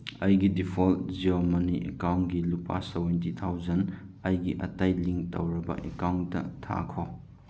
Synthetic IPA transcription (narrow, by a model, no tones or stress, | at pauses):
ɐjɡidipʰoltziomɐniʔḛkawntɡilupa̰sebent̬it̪ʰawzɐnɐjɡiʔɐ̰tajliŋtɐ̰wɾɐbɐ̰ʔekawntːɐ̰tʰa̰kʰo